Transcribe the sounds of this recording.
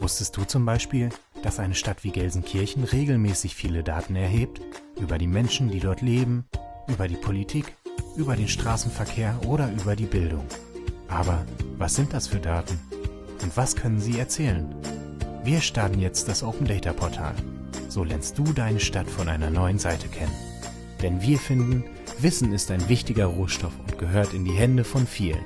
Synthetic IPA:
vʊstəst̚d̥uːt͡sʊmbaɪʃpiːl | d̥asʔaɪnəʃtatv̥iːɡɛlzn̩kʰɪɐçn̩ʁeːɡl̩mɛːsɪçfiːlədaːtn̩ɛɐɦeːp̚tʔyːbɐɾiːmɛnʃn̩diːdɔɐtleːbm̩ | ʔyːbɐɾiːpʰolitʰiːkʔyːbɐɾeːnʃtʁ̥aːsn̩fɛɐkʰeːɐʔoːɾɐʔyːbɐdiːbɪldʊ̰ŋ | ʔaːbɐvasz̥ɪnt̚d̥asfyːɐdaːtn̩ | ʔʊntv̥askʰœnənziːɛɐt͡sɛːlən | viːɐʃtaɐtn̩jɛt͡st̚d̥asʔoʊpn̩dɛɪtɐpʰɔɐtʰa̰ːl | z̥oːlɛɐnst̚d̥uːdaɪnəʃtatfɔnʔaɪnɐnɔʏənzaɪtʰəkʰɛnən | d̥ɛnviːɐfɪndn̩ | vɪsn̩ɪstaɪnvɪçtɪɡɐʁoːʃtɔfʊnt̚ɡ̥əɦøːɐtɪndiːɦɛndəfɔnfiːlə̰n

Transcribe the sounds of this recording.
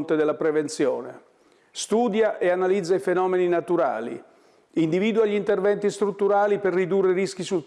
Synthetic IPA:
nt̪ed̪elːapɾevent̪sjɔːnḛ | st̪uːd̪jaʔeanalid̪zːaifenɔːmeninat̪uɾa̰ːlḭ | ind̪iviːd̪uaʎːint̪ervɛnt̪ist̪ɾut̪ːuɾaːliperːid̪urːeɾisk̟isul

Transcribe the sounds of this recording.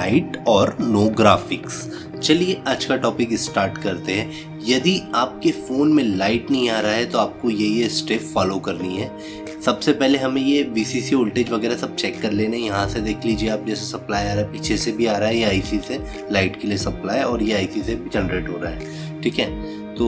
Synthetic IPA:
aɪʈɔːɾnoːɡɾa̰ːfɪks | t͡ʃɐlieʔɐd͡ʒkaʈɔːpɪkɪsʈaːɾʈkɐɾt̪eɦɛ̃ː | jɐd̪iaːp̚kefoːnmẽlaːɪʈnɐɦĩaːɾaaɦɛt̪oaːp̚kojejesʈeːfːaːlokɐɾniɦɛː | sɐbsepɛɦleɦɐmẽjeʋiːsisioːlʈeːd͡ʒʋɐɣɛːɾaɦsɐb̚t͡ʃɛːkːɐɾleːneɛ̃jɐɦãsed̪eːkʰliːd͡ʒieaːp̚d͡ʒɛːsesɐplaːjaːɾaɦɛpiːt͡ʃʰesebʱiaːɾaɦɛjaaːisise | laːɪʈkeliesɐplaːjɔːɾjeaːɪsisebʱid͡ʒɛnɾeːʈɦoːɾaa̰ɦɛː | ʈʰiːkɦɛ̰̃ | t̪oː

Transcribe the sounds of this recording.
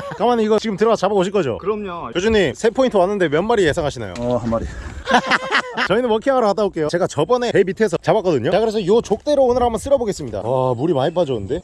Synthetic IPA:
kamaniɡʌt͡ɕiɡɯmtɯɾʌt͡ɕababoɕʰiɭk͈ʌd͡ʑo̰kɯɾʌmɲojod͡ʑuɲimsʰe̞pʰointʰɯwanːɯnde̞mjʌnmaɾije̞sʰaŋɦaɕʰina̰jo̰ɦanmaɾi | t͡ɕʌinɯnwʌkʰiaŋaɾoadabok͈e̞jot͡ɕe̞ɡat͡ɕʌbʌne̞emitʰe̞s̬ʰʌt͡ɕabak͈ʌdɯɲot͡ɕakɯɾes̬ʰʌjot͡ɕok̚t͈e̞ɾoːnɯɭɦambʌns͈ɯɾʌboɡe̞s͈ɯmɲida̰amuɾimaipʰad͡ʑʌɯnde̞

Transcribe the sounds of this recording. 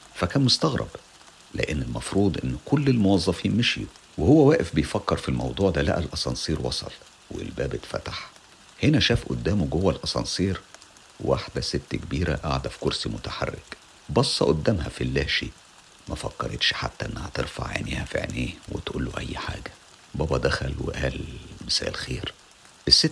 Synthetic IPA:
fækæːnmʊst̪ɑɣɾˤʔɑ̰b | lḛʔenːelmɑfɾuːd̪ˤʔenːkʰʊlːelmowɑzˤːɑfiːnmeʃijuwehowːæwæːʔefbejfækːɑɾˤfilmɑwd̪ˤuːʕd̪ælæ̰ʔælʔɑsˤɑnsˤiːɾwɑ̰sˤɑ̰l | wḛlbæːbet̪fæ̰t̪ḁħ | henæʃæːfʔʊ̰d̪ːæːmoɡowːælʔɑsˤɑ̰nsˤiːɾ | wʔaħd̪æset̪ːkbiːɾæ̰ʔaʕd̪æfi̥koɾsimʊt̪aħa̰rːḛk | bɑsˤːɑʔod̪ːæːmhæ̰filːæːʃiʔ | mæfɑkːɑɾˤet̪ʃħa̰t̪ːæʔenːæhæt̪eɾfa̰ʕʕḛneːhæfḭʕnʔeːwḛt̪ʔuːlːo̰ʔæjːħa̰ːɡæ | bɑːbɑd̪æxælwḛʔæːlmɪsæ̰ːʔlxeːɾ | ʔesːet̪ː

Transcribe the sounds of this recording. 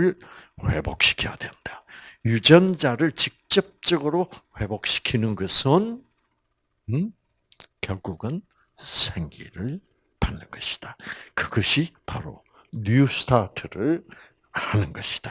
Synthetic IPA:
ɯɭɸwe̞̰bok̚ɕʰi̥kʰija̰dwennd̥ajud͡ʑʌnd͡ʑaɾɯɭt͡ɕik̚t͡ɕ͈ʌp̚t͡ɕ͈ʌɡɯɾoɸwe̞bok̚ɕʰi̥kʰinɯnɡʌsʰɯn | kjʌɭɡuɡɯn | sʰeŋɡḭɾɯɭ | panːɯnɡʌɕʰi̥d̥akɯɡʌɕʰipaɾo̰ | nusɯ̥tʰatʰɯɾɯɭ | hanɯnɡʌɕʰi̥d̥a

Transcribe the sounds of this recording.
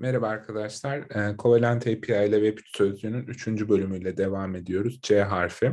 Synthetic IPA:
neɾavaːɾkʰad̪aʃlˠaɾːkʰo̞velʲænt̪ʰejpʰiajlʲɛvɛpʰy̥t̪ʰsʰøzynynyt͡ʃʰynd͡ʒybø̞lʲymyjlʲɛd̪e̞vaːme̞d̪ijo̞ɾuzd͡ʒeɦaɾfi

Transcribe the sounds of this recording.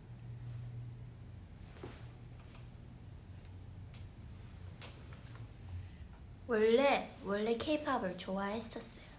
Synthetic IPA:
wʌɭːewʌɭːekʰejpʰabɯɭt͡ɕoaɦestʰʌs͈ʌjo

